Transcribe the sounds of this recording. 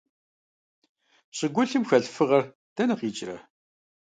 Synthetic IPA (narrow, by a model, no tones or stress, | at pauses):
ɕʼɪɡʷʊɬɨmxɐɬfɨʁɐr | d̥ɐnɨqiːt͡ʃʼrɐ̰